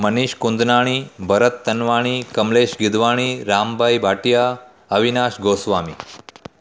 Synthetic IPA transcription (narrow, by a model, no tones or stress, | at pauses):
məniʃkund̪naːɽ̃ibɐɾət̪ːənʋaːɽ̃iːkɐmleʃɡid̪ʋaɽ̃iɾaːmbʱajbʱaʈja | əʋinaːʃɡoːsʋaːmiː